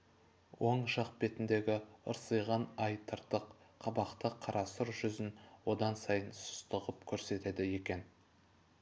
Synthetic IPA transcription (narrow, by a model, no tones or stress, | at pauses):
wʔoɴʃɑq̚be̞t̪ɪnd̪e̞ɡʲɪə̰ɾsəjʁɑnɑjt̪ʰəɾt̪əqqʰːɑbɑqt̪əqʰːɑɾɑsəɾʒʏzɪnwo̞d̪ɑnsɑjənsʊ̥st̪əʁəpkʲʰɵɾse̞t̪e̞d̪ɪje̞kʲe̞n